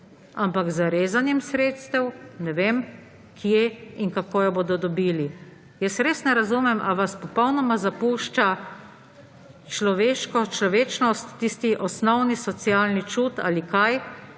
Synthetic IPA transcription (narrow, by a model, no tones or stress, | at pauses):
ampakzaɾeːzanjɛmsɾeːt̪st̪ɛwnɛʋeːm | kʰjeinkakoːjɔboːd̪ɔd̪ɔbiːli | jɛsɾeːsnɛɾazumɛmʔaʋaspɔpɔwnɔmazapuːʃt͡ʃa | t͡ʃlɔʋeːʃkɔt͡ʃlɔʋeːt͡ʃnɔst̪ːist̪iʔɔsnɔwnisɔt̪sijaːlnit͡ʃuːt̪a̰likaj